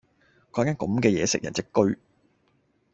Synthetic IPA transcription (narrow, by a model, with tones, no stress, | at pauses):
kɔː˨˧˥kaː˥nkɐ˨˧˦mkɛː˧jɛ̰ː˨˧sɪ̰˨k̚jɐ˨˩nt͡sɪ˥kːɵ˥ɥ